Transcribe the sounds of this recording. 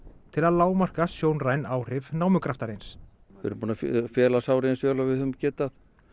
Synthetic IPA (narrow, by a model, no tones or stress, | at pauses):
t̪ʰɪlaðlaːwmar̥kasjoːwnrajnaːwr̥ɪvnaːwmʏkɾaft̪aɾejns | vɪ̰ɾʏmpuːnaffjɛːlasawɾɪɛnsvœːlavɪðhʏðʏmcɛːt̪aθ